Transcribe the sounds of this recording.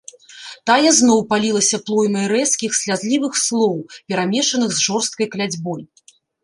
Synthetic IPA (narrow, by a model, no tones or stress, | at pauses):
t̪ajɛznɔwpalʲilˠɐsʲɐplˠɔjmɐjɾɛskʲixsʲlʲazlʲivɨxslˠɔwpʲɛɾamʲɛʂɐnɨxzʐɔrst̪̚kɐjklʲad͡zʲbɔj